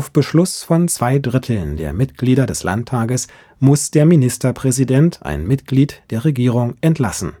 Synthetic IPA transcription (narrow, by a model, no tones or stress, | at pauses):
ʔaʊfb̥əʃlʊsfɔnt͡sv̥aɪdʁɪtʰl̩ndeːɐmɪtɡ̥liːdɐdɛsla̰ntʰːaːɡəs | mʊsd̥eːɐminɪstɐpʁ̥ɛzidɛntʰʔa̰ɪnmɪtɡ̥liːtd̥eːɐʁeɡiːʁ̞ʊŋʔɛntlasn̩